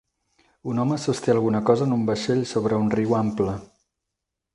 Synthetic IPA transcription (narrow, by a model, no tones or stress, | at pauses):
unɔməsust̪eəlˠɣunəkɔzəːnumbəʃeʎsoβɾəunriwamplə